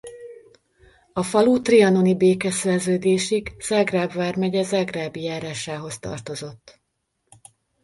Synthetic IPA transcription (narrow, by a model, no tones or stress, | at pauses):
ɒfɒlut̪riɒnonibeːkɛsɛrzøːd̪eːʃiɡz̥aɡraːbvaːrmɛɟɛzaɡraːbijaːɾaːʃaːɦo̞st̪ɒ̰rt̪o̞zo̞t̪ː